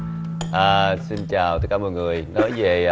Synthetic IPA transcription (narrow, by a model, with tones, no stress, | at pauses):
ʔəː˨˩si˧nt͡ɕaː˨˩wt̪ə˦˥k̚kːaː˧˦məː˨˩jŋɨ˨˩əjnɔ˨˦jve˨˩ʔ